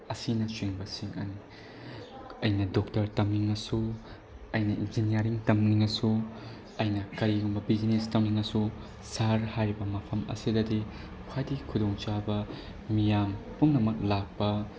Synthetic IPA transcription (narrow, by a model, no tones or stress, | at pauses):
ɐsinɐsweŋbɐsiŋɐ̰ni | ɐjnɐdoktɐɾtɐmniŋɐsu | ɐjnɐinzinijɐɾiŋtɐmniŋɐsu | ɐjnɐkɐɾiɡumbɐbid͡ʒinestɐmniŋɐsu | saɾhajɾibɐmɐpʰɐmɐ̰sidɐdi | kʰwajdikʰudoŋt͡ʃabɐ | mijampuŋnɐmɐk̚lak̚pɐ